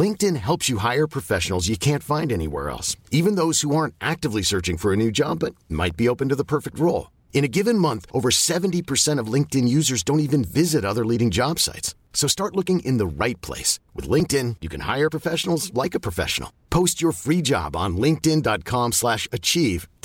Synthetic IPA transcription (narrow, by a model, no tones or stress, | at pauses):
lɪ̃ŋk̚tɨ̃nɦɛlˠpsjɨɦaɪə˞pʰɹ̥ɨfɛʃn̩l̩ˠzjɨkʰæ̃ntfãɪ̃ndɛnḭwɛ̰ɹɛ̰lˠsivɨ̃nðoʊz̥huɑɹ̃ntʔæk̚tɨvlisɜ˞t͡ʃɪ̃ŋfə˞ɨnʉd͡ʒɑbːʌt̚ma̰ɪt̚b̥ioʊpɨ̃ntɨðəpʰɜ˞fɨk̚t̚ɹoʊlˠ | ɨ̃ɾ̃ɨɡɪvɨ̃nmʌ̃nθʔoʊvə˞sɛvɨ̃n̩tipʰə˞sɛ̃ɾ̃ʌvlɪ̃ŋk̚tɨ̃njʉzə˞zdõʊ̃ntivɨ̃nvɪzɨɾʌðə˞liɾɪ̃ŋd͡ʒɑb̥sa̰ɪtsː | oʊstɑɹʔˡlʊkɪ̃ŋʔɪ̃nðəɹaɪt̚pʰl̥ḛɪswɨðlɪ̃ŋk̚tɪ̃njɨkʰɨ̃nha̰ɪə˞pʰɹ̥əfɛʃn̩l̩ˠzlaɪkɨpʰɹ̥əfɛ̰ʃn̩l̩ˠpʰoʊst͡ʃə˞fɹid͡ʒɑ̰b̃n̩lɪ̃ŋk̚tɪ̃ndɑt̚kʰɑ̃mslæʃɨt͡ʃʰiv̥